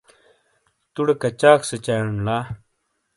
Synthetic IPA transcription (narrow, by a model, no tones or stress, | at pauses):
t̪uɽekɐt͡ɕaːkset͡ɕajɳlaː